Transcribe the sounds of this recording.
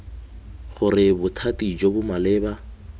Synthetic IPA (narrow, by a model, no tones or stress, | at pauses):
χʊrɪbʊtʰatid͡ʒobʊmalɪːba